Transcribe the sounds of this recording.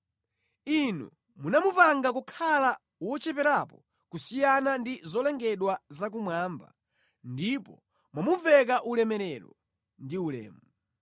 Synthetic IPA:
inṵ | munamupaŋɡakukʰala | wɔt͡ʃɛpɛɾapɔ | kusijanandizɔlɛŋɡɛɗwazak̬umwaːmba̰ | ndipɔ | mwamuvɛkaʔulɛmɛɾɛɾɔ | ndiulɛ̰ːmu

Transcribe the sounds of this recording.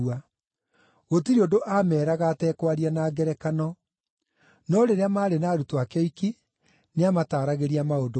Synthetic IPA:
a | ɣotiɾiondoʔamɛːɾaɣaːtɛːkwaɾianaːɡɛɾɛkanɔ | nɔɾeɾeamaːɾenaːɾutoakɛiki | neamataːɾaɣeɾiamaodo

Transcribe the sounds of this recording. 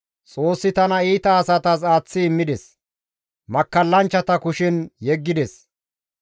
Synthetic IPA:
t͡sʼo̞ːsːɪt̪ɐnɐiːt̪ɐːsɐt̪ɐs̬aːt͡sːɪːmːɪd̪ɛs | mɐkːɐlːɐnt͡ʃːɐt̪ɐkʊʃɪnjɛɡːɪd̪ɛs

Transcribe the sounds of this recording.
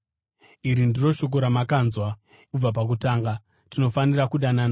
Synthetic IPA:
iɾindiro̞ʃo̞k̬o̞ɾamakaːnzwa | ub͡vap̬ak̬utaːŋɡa | tino̞fanirakuɗanana

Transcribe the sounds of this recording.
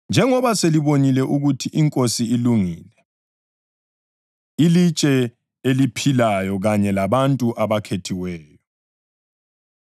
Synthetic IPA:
nd͡ʒʱɛŋɔβaseliβonilɛʔuɣutʰiʔiŋkʼosiiluŋiːlɛ | ilit͡ʃʼɛ | elipʰilajɔɣaɲɛlaβantʼuʔaβakʰetʰiwɛːjɔ

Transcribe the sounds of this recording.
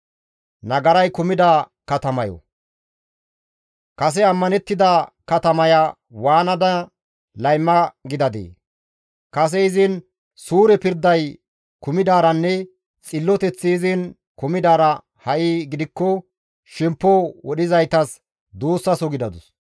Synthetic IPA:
nɐɡɐɾɐjkʊmɪd̪a | kɐt̪ɐmɐjɔ̰ | kɐs̬ɛɐmːɐnɛt̪ːɪd̪akɐt̪ɐmɐja | waːnɐd̪ɐ | lɐjmːɐɡɪd̪ɐd̪ḛː | kɐs̬ɛɪzɪn | suːɾɛpɪɾd̪ɐj | kʊmɪd̪aːɾɐnːɛ | t͡sʼɪlːɔt̪ɛt͡sːɪːzɪn | kʊmɪd̪aːɾɐ | hɐʔiːɡɪd̪ɪkːɔ | ʃɛmpːɔwɔɗɪzɐjt̪ɐs | d̪uːsːɐsɔɡɪd̪ɐd̪ʊs

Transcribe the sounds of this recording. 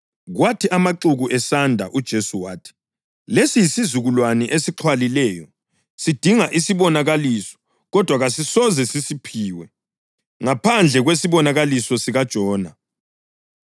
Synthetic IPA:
ɣwatʰiʔamaǁuɣuʔɛsandʱa̰ʔud̥ʒ̥ʱesuwaːtʰi̥ | lesijisizuɣulwanɛʔesiǁʰwalilɛːjɔ | sid̥ʱiŋaʔisiβɔnaɣalisɔ̥ | ɣɔd̥ʱwaɣasisɔzɛsisipʰiːwɛ | ŋapʰand͡ɮʱɛɣwesiβɔnaɣalisɔsiɣad̥ʒ̥ʱɔːna

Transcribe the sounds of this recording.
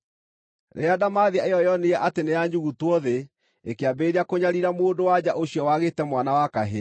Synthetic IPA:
ɾḛadamaðiaeɔjɔneɛʔatenejaɲd͡ʒuɣutwɔðe | ekeabeɾeakoɲaɾiɾamoːndowad͡ʑaʔoɕiɔwaɣetɛmwanawakaɦe

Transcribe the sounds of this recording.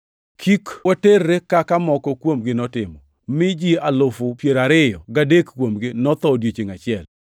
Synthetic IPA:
kʰikwaterːekakamɔkɔkwomɡɪnɔtɪmɔ | mɪd͡ʒialʊfʊpjeɾaɾɪjɔɡadekkwomɡɪnɔt̪ɔdjet͡ʃeŋat͡ʃɪɛl

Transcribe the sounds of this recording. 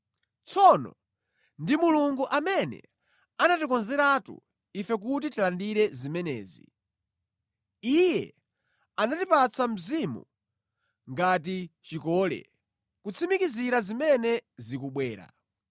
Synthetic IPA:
t͡sʰɔnɔ̰ | ndimuluŋɡuʔamɛnɛ̰ | anatikɔnzɛɾatṵ | ifɛk̬ut̬itilandiɾɛzimɛnɛ̰ːzḭ | ijɛ̰ | anatipat͡sʰam̩zimṵ | ŋɡatit͡ʃikɔlɛ̰ | kut͡sʰimikiziɾazimɛnɛzikuɓwɛːɾa̰

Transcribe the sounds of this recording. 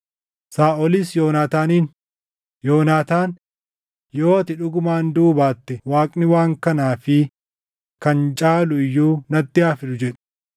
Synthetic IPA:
saːʔɔlisjoːnaːt̪aːniːn | joːnaːt̪aːn | jo̞ːɐt̪ɪᶑʊɡʊmaːnd̪uːbaːt̪ːɛwaːkʼnɪwaːŋkɐnaːfɪ | kɐnt͡ʃʼaːlʊɪjːuːnɐt̪ːɪaːfɪlʊd͡ʒɛᶑɛ̥

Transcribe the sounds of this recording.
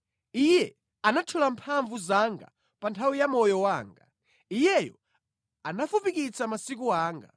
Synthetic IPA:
ijɛ | anatʰulampʰaɱvuzaŋɡa̰ | pantʰawijamɔjɔwaːŋɡa̰ | ijɛjɔ̰ | anafupikit͡samasik̬uaːŋɡa̰

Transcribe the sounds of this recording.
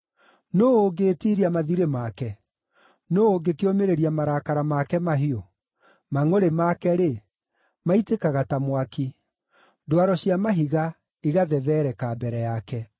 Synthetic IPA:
noːoɡeːtiːɾiamaðiɾemakɛ | nooːɡekeomeɾeɾiamaɾakaɾamakɛmaɦio | maŋoɾemakɛɾe | maitekaɣatamwaki | dwaɾɔɕiamaɦiɣa | iɣaðɛðɛːɾɛkaːbɛɾɛjakɛ

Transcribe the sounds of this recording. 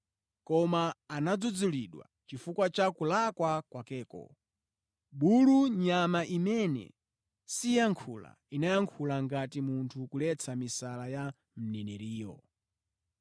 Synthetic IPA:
kɔmaːnad͡zud͡zuliɗwa̰t͡ʃifukwat͡ʃakulakwakwakɛːkɔ̰ | ɓuluɲamaʔimɛnɛ̰ | sijaŋkʰula̰ | inajaŋkʰulaŋɡatimuntʰukulɛt͡sʰamisalaja | m̩nɛnɛɾiːjɔ̰

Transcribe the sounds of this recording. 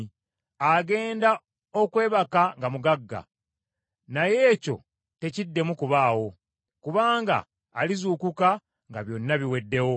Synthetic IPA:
aɡe̞ːnda | okwe̞ːβakaŋɡamuɡaɡːa̰ | naje̞ːco̞̰ | te̞cidːe̞mukuβaːwo̞ | kuβaːŋɡa̰ː | lizuːkuka | ŋɡaβjo̞nːaβiwe̞dːe̞wo̞

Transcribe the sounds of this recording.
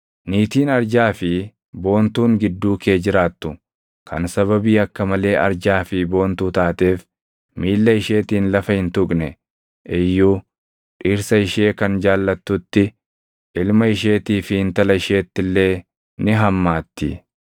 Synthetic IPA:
niːt̪iːnɐɾd͡ʒaːfɪ | bo̞ːnt̪uːŋɡɪd̪ːuːkeːd͡ʒɪɾaːt̪ːʊ | kʰɐnsɐβɐbiːɐkːɐmɐle̞ːʔɐ̰ɾd͡ʒaːfɪbo̞ːnt̪uːt̪aːt̪e̞ːf | miːlːɐɪʃe̞ːt̪iːnlɐfɐhɪnt̪ʊkʼnɛ | ʔɪjːuː | ᶑɪɾsɐɪʃe̞ːkɐnd͡ʒaːlːɐt̪ːʊt̪ːɪ | ʔɪlmɐɪʃ̬e̞ːt̪iːfɪhɪnt̪ɐlɐɪʃe̞ːt̪ːɪlːe̞ː | nɪɦɐmːaːt̪ːɪ

